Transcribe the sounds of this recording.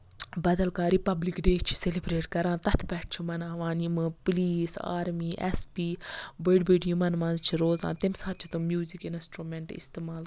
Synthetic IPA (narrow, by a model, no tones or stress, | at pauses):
bɐd̪ɐlkaːɾipɐblikɖeːt͡ʃʰi̥selibɾeːʈkɐɾãːt̪ɐt̪ʰpɛːʈ̚ʰt͡ʃʰumɐnãːʋãːnimɨpliːsa̰ːɾmiːʔɛ̰spiːbəɖbeɖjumɐnʋɐ̃nzt͡ʃʰiɾoːzã̰ːt̪imsaːt̪̚t͡ʃʰi̥t̪umjuːzikinɪ̃sʈɾumeɳʈḭst̪eːmaːl